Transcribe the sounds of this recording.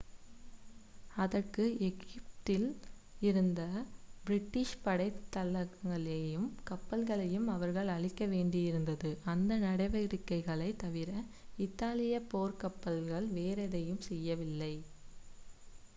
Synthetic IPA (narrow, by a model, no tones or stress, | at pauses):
ɐðɐrkɯɛɣɪpt̪ɪl | ɪɾɯnd̪ɐbɪɾɪʈːɪʂpɐɽɐɪt̪ːɐlɐɣŋɡɐɭejɯmkɐpːɐlɣɐɭɐjɯmɐʋɐɾɣɐɭɐɭɪkːɐʋeːɳɖɪjɪɾɯnd̪ɐðɯʔɐnd̪ɐnɐɽɐɪʋɐɾɪkːɐɪɣɐɭɐɪt̪ɐʋɪɾɐ | ɪt̪ːaːlɪjɐpoːɾkɐpːɐlɣɐɭʋeːɾɛðɐjɯmsɛjːɐʋɪlːɐɪ